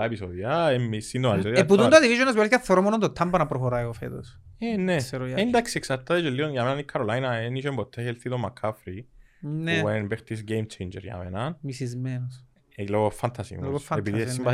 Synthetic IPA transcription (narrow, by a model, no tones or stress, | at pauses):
aepisoðiaeisind̪omaeisoðjeput̪und̪ɐt̪ivizonɐzmesikaθoɾomonond̪ot̪ʰːɐmbɐnɐpɾoxoɾajofḛt̪o̰senːeseɾojaind̪aksieksɐt̪ːaðet͡ʃolːionjamenanikʰːɐɾolajnɐeniʃoembot̪ʰːeçelθit̪omːakʰːafɾi | nwenbeχt̪isɡejmt͡ʃʰejnd͡ʒḛɾja̰menɐnmisizmenos | loɣofɐnt̪ʰasḭmo̰sepiðissimba